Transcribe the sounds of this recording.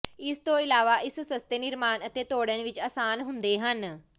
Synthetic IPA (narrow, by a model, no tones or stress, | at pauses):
ɪst̪õːɪlaːʋaːʔɪssəst̪eːnɪɾmaːnət̪eːt̪oːɽənʋɪt͡ʃaːsaːnɦʊ̃nd̪eːɦən